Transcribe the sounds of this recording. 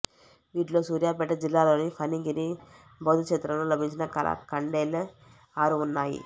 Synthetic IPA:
ʋiːʈloːsuːɾjaːpɛʈːɐd͡ʒilːaːloːnipʰɐniɡiɾi | bɐd̪ukʂeːt̪ɾɐmlulɐbʱiɲt͡ʃinɐkɐɐ̰kɐɳɖeːl | aːɾuunːaːjḭ

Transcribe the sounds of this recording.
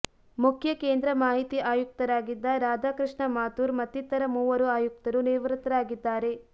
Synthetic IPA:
mukʰjɐkeːnd̪ɾɐmaːɦit̪iʔaːjuk̚t̪ɐɾaːɡid̪ːɐɾaːd͡ʒ̪aːkɾɨʂɳɐmaːt̪uːɾmɐt̪ːit̪ːɐɾɐmuːʋɐɾuaːjuk̚t̪ɐɾuniɾʋɾt̪ɐɾaːɡid̪ːaːɾe̞

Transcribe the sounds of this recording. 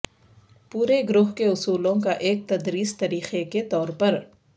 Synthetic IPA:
puːɾeɡɾʊɦkeʊsuːlõkaʔeːk̚t̪ɐd̪ɾiːst̪ɐɾiːxeket̪ɔːɾpɐɾ

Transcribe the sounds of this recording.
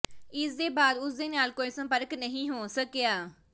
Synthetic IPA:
ɪsd̪eːbaːd̪ʊsd̪eːnaːlkoːiːsə̃mpəɾknəɦĩːɦoːsəkejaː

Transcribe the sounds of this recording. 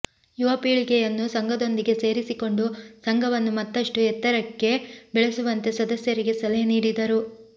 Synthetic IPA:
juʋɐpiːɭikejɐnːusɐŋɡʱɐd̪o̞nd̪iɡe̞se̞ːɾisiko̞ɳɖusɐŋɡʱɐʋɐnːumɐt̪ːɐʂʈuɛt̪ːɐɾɐkːe̞bɛɭesuʋɐnt̪e̞sɐd̪ɐsjɐɾiɡe̞sɐlɐniːɽid̪ɐɾu

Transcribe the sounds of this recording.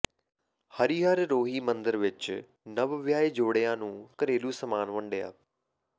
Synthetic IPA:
həɾiːɦəɾɾoːɦiːmə̃nd̪əɾʋɪt͡ʃ | nəʋʋjaːiːd͡ʒoːɽejãːnũːkəɾeːluːsəmaːnʋə̃ɳɖeja̰ː

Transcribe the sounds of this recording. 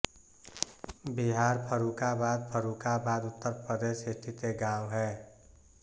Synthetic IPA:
biɦaːɾpʰəɾukabaːd̪̚pʰəɾukabaːd̪ʊt̪ːəɾpɾəd̪eːʃɪʈʰit̪eɡãːʊɦɛː

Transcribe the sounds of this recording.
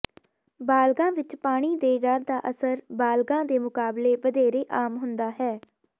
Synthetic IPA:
baːlɡãːʋɪt͡ʃpaːɽ̃iːd̪eːɖaːd̪aːʔəsəɾbaːlɡãːd̪eːmʊkaːbleːʋəd̪eːɾeːʔaːmɦʊnd̪aːɦɛː

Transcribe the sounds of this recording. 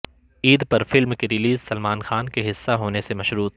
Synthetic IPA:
iːd̪pɐɾfɪlmkeɾɪliːzsɐlmaːnxaːnkeɦɪsːaɦoːnesemɐʃɾuːt̪̚

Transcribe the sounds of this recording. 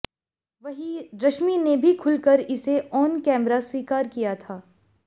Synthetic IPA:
ʋɐɦiɾɐʃminebʱikʰʊlkəɾɪseʔɔːnkɛ̃ːmɾaswiːkaːɾkijat̪ʰaː

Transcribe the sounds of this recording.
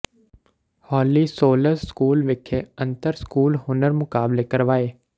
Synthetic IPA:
hɔːlisoːləɾskuːlʋɪkʰeɐ̃nt̪əɾskuːlhʊnəɾmʊkaːblekɐɾʋaːeː

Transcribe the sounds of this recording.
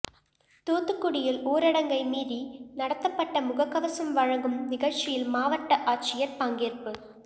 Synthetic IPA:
t̪oːt̪ːɯkːʊɽɪjɪloːɾɐɽɐŋɡɐɪmiːðinɐɽɐt̪ːɐpːɐʈːɐmʊɣɐkːɐʋɐsɐmʋɐɻɐŋɡɯmnɪɣɐɭt͡ʃɪjɪlmaːʋɐʈːɐʔaːʈt͡ʃɪjɐɾp̪aːŋɡeːɾpɯ

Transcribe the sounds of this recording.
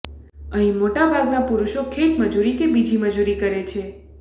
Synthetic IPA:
əɦĩmoʈabʱaɡnapuɾuʃokʰeʈməd͡ʒuɾikebid͡ʒiməd͡ʒuɾikəɾet͡ʃʰe

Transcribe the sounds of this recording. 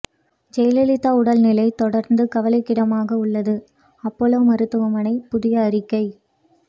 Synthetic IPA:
d͡ʒɛjlɛlɪt̪ːaːʊɽɐlnɪlɐɪt̪ɔɽɐɾnd̪ɯkɐʋɐlɐɪkːɪɽɐmaːɣɐʊɭːɐðɯ | ɐpːɔloːmɐɾɯt̪ːɯʋɐmɐnɐɪpʊðɪjɐːɾɪkːɐɪ

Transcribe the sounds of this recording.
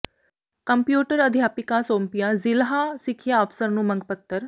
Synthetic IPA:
kəmpjuːʈəɾəd̪ʱjaːpɪkãːsoːmpijãːzɪlɦãːsɪkʰjaːəfʰsəɾnũːmə̃ŋɡpət̪ːəɾ

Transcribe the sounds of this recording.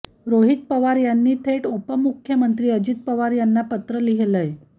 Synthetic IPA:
ɾoɦit̪̚pəʋaɾjanːiːt̪ʰeʈupəmukʰjəmənt̪ɾiːəd͡ʑit̪̚pəʋaɾjanːapət̪ɾəliɦeləj

